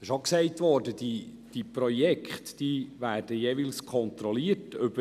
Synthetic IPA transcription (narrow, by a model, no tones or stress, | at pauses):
ɪʃoksɛɪtʋɔːɾdəd̥i | d̥ipɾɔjɛkχtd̥iʋæːrd̥əjeːʋɪlskʰɔnt̪ɾɔliːətʏb̥ə